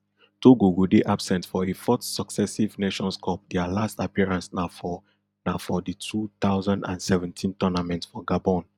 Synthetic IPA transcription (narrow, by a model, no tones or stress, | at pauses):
toɡowudeʔabsɛ̃ntfɔefɔtsɔksɛsivneʃɔ̃nskʰɔp̚dɛalastapiɛɹãnsnafɔ | nafɔditʰut̪aʊzãndã̰ndsɛvɛ̃ntʰĩntɔnamɛ̃ntsfɔɡabɔ̃n